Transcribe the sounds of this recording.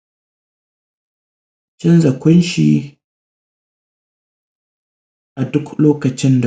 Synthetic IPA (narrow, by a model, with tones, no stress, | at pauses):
t͡ʃɪ˦nzɐ˨kʷʊ˦nʃi˨ | ʔa˨dʊ˦kloː˦kɐ˨t͡ʃɪ˦nda˨